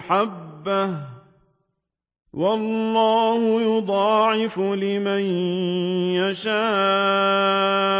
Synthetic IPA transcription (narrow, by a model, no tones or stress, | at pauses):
ħabːah | wɑlːɑːhʊjʊd̪ˤɑːʕɪfʊlɪman | jaʃaː